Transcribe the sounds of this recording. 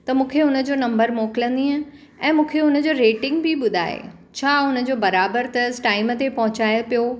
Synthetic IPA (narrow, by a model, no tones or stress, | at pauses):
t̪ɐmũːkʰeʊnə̆d͡ʑoːnɐ̃mbəɾmoːkɪlə̃nd̪iɦə̃ | ɛ̃ːmũːkʰeʊnə̆d͡ʑoːɾeːʈɪ̃ŋɡbʱɪɓʊd̪ʱa̰ːḛ | t͡ɕʰaːʊnə̆d͡ʑoːbɐɾaːbəɾt̪ɐsʈaːɪmət̪epɐɦʊt͡ɕaːɪəpijo